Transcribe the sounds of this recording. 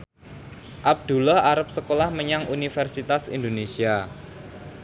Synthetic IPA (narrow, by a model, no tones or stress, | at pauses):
ʔab̚d̪̥ṳlɔhaɾap̚səkolahməɲaŋunifɛrsit̪asḭnd̪onesia